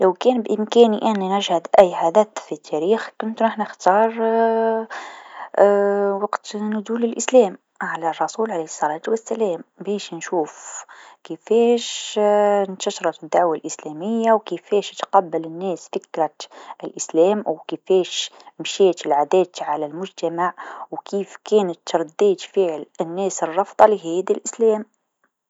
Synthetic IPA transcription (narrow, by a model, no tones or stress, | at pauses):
lawkɛːnbʔɪmkæːniʔɪnːnæʒhɪd̪ʔæjːħad̪æt̪fit̪ʰːæɾiːxkʊnt̪nɪħnɪxt̪ɑːɾˤ | wɑqt̪nʊd̪uːlɪlʔɪslɛːm | ʕalærˤːɑsuːlʕalesˤːɑɾˤɑːd̪wɪsːælɛːmbɛːʃnʃuːfkəfɛːʃ | nt̪aʃɾˤɑt̪d̪ːaʕwalʔɪslɛːmɪjːawkifɛːʃt̪qɑbːalɪnːɛːsfɪkɾɑt̪ɪlʔɪslɛːmwkifɛːʃmʃiːt̪ɪlʕad̪æːt̪ʕalælmʊd͡ʒt̪amaʕwkʰiːfkɛːnət̪ːɾˤd̪ːiːd͡ʒ̪fiʕlɪnːɛːsərˤːɑfd̪ˤɑlɪɦiːd̪ilʔɪslɛːm